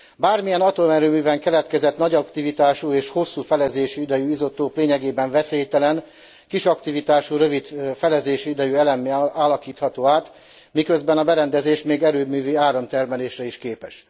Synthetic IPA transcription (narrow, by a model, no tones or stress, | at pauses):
baːrmijɛnɒt̪oːmɛɾøːmyːvɛŋkɛlɛt̪kɛzɛt̪nɒɟɒkt̪ivit̪aːʃueːʃho̞sːuːfɛlɛzeːʃiid̪ɛjuizo̞t̪ːoːpleːɲɛɡeːbɛɱvɛseːjt̪ɛlɛn | kiʃɒkt̪ivit̪aːʃuɾø̞vid̪fɛlɛzeːʃiid̪ɛjuɛlɛmːiaːlɒkiːt̪hɒt̪oːaːt̪ | mikøzbɛnɒbɛɾɛnd̪ɛzeːʃmeːɡɛɾøːmyːviaːɾɒmt̪ɛrmɛleːʃrɛiʃkeːpɛʃ